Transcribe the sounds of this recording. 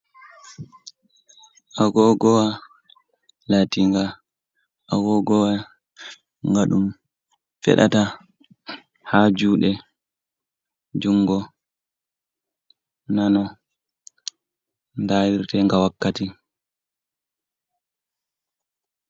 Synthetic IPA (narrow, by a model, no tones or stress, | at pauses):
ʔaɡɔɡɔwa | latiŋɡa | ʔaɡɔɡɔwa | ŋɡaɗum | fɛ̰ɗa̰ta | had͡ʒuːɗɛ | d͡ʒuŋːɡɔ | nanɔ | ndaːwiɾtɛŋɡawakːati